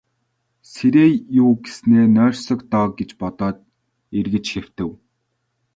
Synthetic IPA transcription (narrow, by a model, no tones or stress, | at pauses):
seɾeːjʊːɡesneːnœːrʲsɞ̆kt̪ɔːɡet͡ɕpɔt̪ɔːt̪ | erɣɘ̆t͡ɕxew̥t̪ɘ̆w